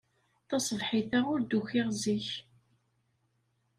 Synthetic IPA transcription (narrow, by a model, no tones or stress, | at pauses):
θɑsˤvħiθaʊɾd̪uçɪʁziç